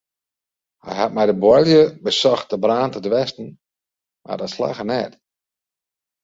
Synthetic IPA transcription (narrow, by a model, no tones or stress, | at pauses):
hɛ̰jhat̚mɛjdəbwɔljəbəsɔxt̚dəbraːntədʋɛstn̩ | mʔa̰rdɔtsla̰xənɛt